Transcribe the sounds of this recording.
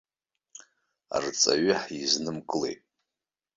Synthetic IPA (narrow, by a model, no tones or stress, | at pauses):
a̰rt͡sʼa̰ɥɪħiznɨmkʼɨlḛjtʼ